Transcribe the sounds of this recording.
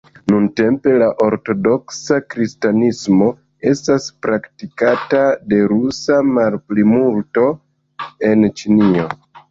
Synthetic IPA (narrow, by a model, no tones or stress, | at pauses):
nunte̞mpe̞laʔo̞ɾto̞do̞ksakɾistanismo̞ | e̞staspɾaktikatade̞ɾusamalplimulto̞ | e̞nt͡ʃinio̞